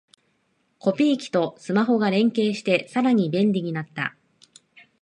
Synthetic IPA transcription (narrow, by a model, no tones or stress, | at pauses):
ko̞pʲiːkʲi̥t̪o̞sɨmaɦo̞ɡaɾẽ̞ŋke̞ːɕi̥t̪e̞saɾaɲ̟ibẽ̞nɾʲiɲ̟inat̪ːa̰